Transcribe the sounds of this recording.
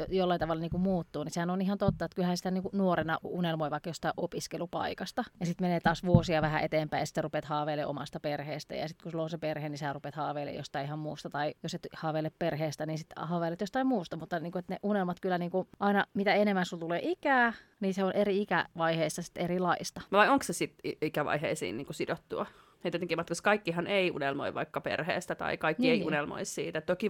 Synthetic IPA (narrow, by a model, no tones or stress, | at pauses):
jolːɑint̪ɑʋɑlːɑniːŋkummuːt̪ːuːnisehænonihɑnt̪ot̪ːɑet̪kylhæːsi̥t̪æniːŋkunuoɾenɑunelmoiʋɑikːɑjost̪ɑiʔopiskelupɑ̰ikɑst̪ɑjɑsit̪meneːt̪ɑːsʋuosiɑʋæhæʔet̪eːmpæijɑsi̥t̪serupet̪hɑːʋeːlːḛʔo̰mɑ̰st̪ɑperheːst̪æ̰jɑ̰sit̪kusulːonseperheːˑniseærupet̪hɑːʋeːˑlːˑḛjo̰st̪ɑiihɑmmuːst̪ɑt̪ɑijoset̪hɑːʋelepperheːst̪æniːnsit̪hɑːʋeːlet̪jost̪ɑimuːst̪ɑmut̪ːɑniːŋkuet̪neʔunelmɑt̪kylːæniːŋkuʔɑinɑmit̪æenemːænsult̪uleːʔikæː | niseonʔeriikæʋɑiheisːɑsi̥t̪ːerilɑist̪ɑʋɑioŋksesit̪iikæʋɑ̰iɦḛisḭːnniːŋkusidot̪ːuɑ | net̪iet̪eŋkːiːmɑt̪kɑskɑikːihɑneiṵnelmo̰iʋɑ̰ikːɑpḛrhḛːst̪æt̪ɑ̰ikɑikːieiunelmo̰issḭːt̪æt̪oki